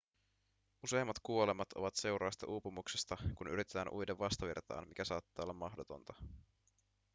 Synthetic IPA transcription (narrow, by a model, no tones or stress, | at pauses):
use̞jmːɑt̪kuo̞lemɑt̪o̞ʋɑt̪se̞wɾɑːst̪ɑ̰ʔuːpumuksest̪ɑkunyɾit̪e̞t̪æːnʔujdeʋːɑst̪ɑʋḭrt̪ɑ̰ːnmikæsɑːt̪ːɑːo̞lːɑmːɑxdo̞t̪o̞̰nt̪ɑ̥